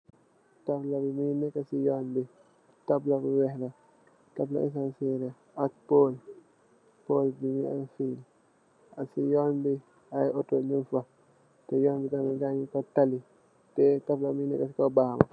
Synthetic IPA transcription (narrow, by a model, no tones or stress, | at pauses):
tablabiminɛkasijɔnbi | tablabuwɛhla | tabla̰ʔɛ̰s̬ansɛɾɛ | atpol | pɔldimia̰nfin | asijɔnbi | ajɔtɔlinfa | tɛjɔnbitamid͡ʒaɲikɔtali | tɛtablaminɛ̰kasikɔbama̰